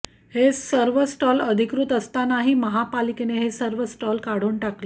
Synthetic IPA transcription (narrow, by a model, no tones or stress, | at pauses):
hesəɾʋəsʈɔləd̪ʱikɾuːt̪əst̪anaɦiməɦapalikeneɦesəɾʋəsʈɔlkaɽ̤uːɳʈakli